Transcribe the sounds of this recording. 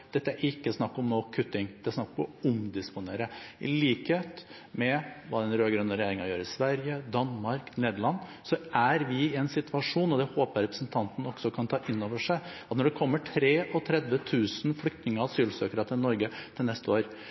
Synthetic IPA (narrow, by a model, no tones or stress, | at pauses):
d̪̥ɛt̪ːəæɾɪkːəsnɑkːɔmnoːkʰʉt̪ːɪŋd̪̥ɛæsnɑkːɔmɔʊmd̪ɪspʊneːɾəɪ̰liːkheːt̪ | mɛʋɑːd̪ɛnɾøːɡɾœnːəɾɛjeːɾɪŋɑɾjøːɾəɪsʋæɾjəd̪ɑnmɑɾkneːd̪əɭɑnː | sɔʔæɾʋɪɪɛnsɪt̪ʋɑʂuːnɔd̪ɛhoːpəɾɛpɾəsnt̪ʰɑnt̪n̩ɔksɔkʰɑnt̪ʰɑːʔɪnːoːʋəʂæɪɑt̪nɔɖɛkʰɔmːəʈʰɾeːʔɔt̪ʰɾɛd̪ʋət̪ʰʉːsnflʏk̚t̪nɪŋəɑsyːlsøːkəɾət̪ʰɪlnɔɾɡət̪ʰɪlnɛst̪əoːɾ